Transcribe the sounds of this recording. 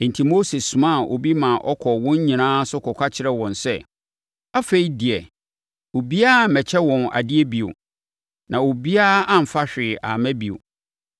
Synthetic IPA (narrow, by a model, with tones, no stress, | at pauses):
n̩˨tʰi˨mo˦se˨ssːũ˨mã˦˨ʔo̰˨bi˦mã˨ʔɔ˦kʰɔ˨wɔ̃˦ɲ˦ɲĩ˨nãː˦sʊ˦kʰɔ˨kʷʰa˦t͡ɕʰɪ˨ɾɛ˦wɔ̃˨nsɛ̰˦˨ | a˦fe˨i˦dɪ˨ɛ˨ | o˨bi˦a˦˨m̩˨mɛ˨t͡ɕʰɛ˦wɔ̃˨na̰˨dɪ˦ɛ˦bi˨o̰˨ | nã˨o˨bi˦a˦ã˨m̩˨fa˦ɕᶣɪ˨a̰˨mæ̃˦bi˨o̰˨